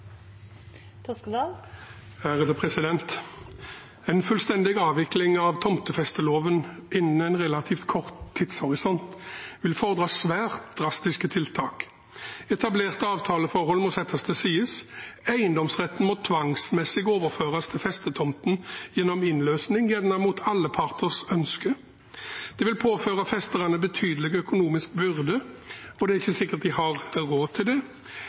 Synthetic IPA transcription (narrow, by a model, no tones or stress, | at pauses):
hæʁəd̪əpʰʁɛsɪd̪ɛnt̪ | ɛɪnfʉlst̪ɛnd̪ɪɡɑːʋɪklɪŋɑʋt̪ʰɔmt̪əfɛst̪əloːʋənʔɪnːən̩æɪnʁɛlɑt̪ʰiːft̪kʰɔʁt̪ʰːɪt̪shɔʁɪsɔnt̪ʋɪlfɔʁəd̪ʁɑːsʋæːʁt̪d̪̥ʁɑst̪ɪskət̪ʰɪlt̪ʰɑːk | ɛt̪ʰɑbleːʁt̪əɑːʋt̪ʰɑːləfɔʁhɔlmɔsɛt̪ʰːɑst̪əsiːəsæɪənd̪ɔmsʁɛt̪ːən̩mɔt̪ʰʋɑŋsmɛsːɪɡoːʋəʁføːʁɑst̪ʰɪlfɛst̪ət̪ʰɔmt̪njɛnːɔmɪnløːsnɪŋjɛnnɑmuːt̪ʰɑlːəpʰɑʁt̪əʁsœnskə | d̪̥ɛʋɪlpʰoːføːʁɑfɛst̪əʁɑnəbət̪ʰyːd̪əlɪɡœkʊnuːmɪsk̚bʏʁd̪əɔd̪ɛæʁɪçːəsɪkːəʁt̪̚d̪ɪhɑʁʁoːt̪ʰɪld̪ɛ